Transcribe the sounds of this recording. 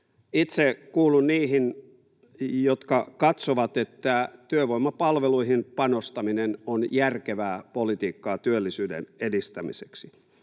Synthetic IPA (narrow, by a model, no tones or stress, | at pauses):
it̪sekuːlunniːhin | jot̪kɑkɑt̪soʋɑt̪et̪ːæt̪yøʋoimːɑpɑlʋeluiɦinpɑnost̪ɑminenonjærkeʋæːpolit̪iːkːɑːt̪yølːisyːdḛnedist̪æmḭseksi